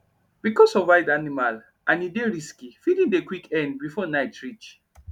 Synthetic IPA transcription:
b̥ikɔsɔvaɪdanimal | ʔãnideɹiskifidĩŋdekwikɛ̃nd̚bifɔnaɪtɹit͡ʃ

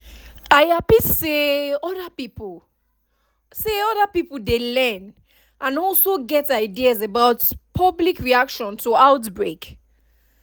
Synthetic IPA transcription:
ajapisseɔdapipl | seɔdapipdelɛn | ʔãnɔlsoɡɛtajdiazabawtpʰablikɹiakʃɔ̃ntʰuawtbɹek

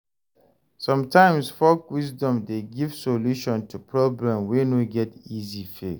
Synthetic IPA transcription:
sɔ̃mtʰãɪ̃msfɔkwizdɔ̃mdeɡiv̥soluʃɔ̃ntʰupʰɹɔblɛ̃mwenoɡɛtizife

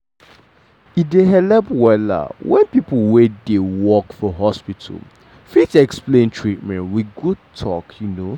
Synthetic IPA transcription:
ideɦɛlɛpwɛla̰wɛ̃npipəwedewɔkfɔɦɔspitʰa̰l | fitɛksplẽntʰɹit̚mɛ̃ntwiɡutʰɔ̰kjuno

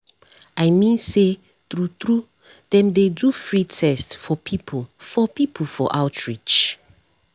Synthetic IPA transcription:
ajmĩnse | tɹutɹu | dɛ̃mdedufɹitʰɛstfɔpʰipʰofɔpipʰəfɔ̰ʔaʊtʰɹit͡ʃ

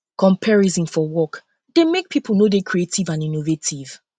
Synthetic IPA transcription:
kɔ̃mpʰɛɹizĩnfɔwɔk | d̥emek̚pʰipʰl̩ˠnodekʰɹietivãninovetʰiv̥

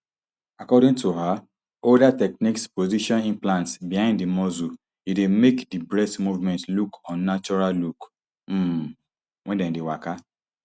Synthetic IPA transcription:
akɔdĩŋtuɦa | odatɛk̚nikspoziʃɔ̃nĩnplãntsbihãɪ̃ndimɔzu | idemekdibɹɛstmuvmɛ̃ntlukʰɔ̃nːat͡ʃɔɹalluk | m̩ | wʔɛ̃ndɛ̃ndewaka

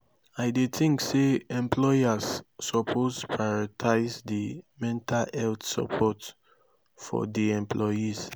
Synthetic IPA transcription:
aɪdetĩŋkseɛ̃mpʰlɔjazːɔpʰozpʰɹaɹɔtʰaɪzdimɛ̃ntʰalɛltsa̰pʰɔt | fɔ̰diɛ̃mpʰlɔjiz̥

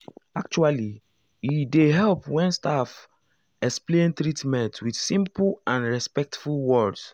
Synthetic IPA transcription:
ak̚t͡ʃuali | jideɦɛlpwɛ̃nstaf | ɛksplẽntɹitmɛ̃ntwidsĩmpuãnɹɛspɛk̚tfulwɔds

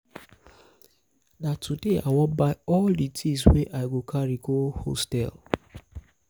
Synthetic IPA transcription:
natʰudea̰wɔbaɪɔlditʰisweʔaɪɡokʰaɾiɡoho̰stɛ̰l

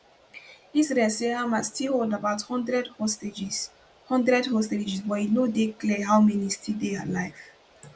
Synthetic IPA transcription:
isɹɛlseamastʰiholˠdabaʊthɔ̃ndɹɛdhɔsted͡ʒis | hɔ̃ndɹɛdhɔsted͡ʒiswɛinodeklɛɦaʊmɛnistʰidea̰tlaɪv̥

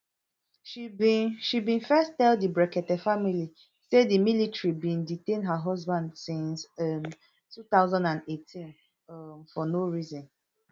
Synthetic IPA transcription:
ʃibʃibĩnfɛstɛldibɹɛkɛtɛfamili | sedimilitɹibĩnditẽnɦəɦɔzbãndsĩnsm | tut̪aʊzãndãndetʰĩn | mfɔnoɹizɔ̃n

